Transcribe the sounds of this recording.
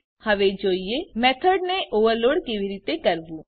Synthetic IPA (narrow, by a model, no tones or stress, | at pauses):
hɐʋed͡ʒoːiemeːt̪ʰəɖneʔoːʋəɾloːɽkeʋiɾiːt̪ekɐɾbuː